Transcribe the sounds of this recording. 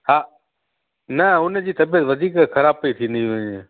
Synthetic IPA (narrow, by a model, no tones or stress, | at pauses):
haː | nəʊnd͡ʑiːt̪ɐbijət̪ʋəd̪ʱiːkkʰəɾaːb̚pəit̪ʰĩːnd̪iʋə̃ɲeː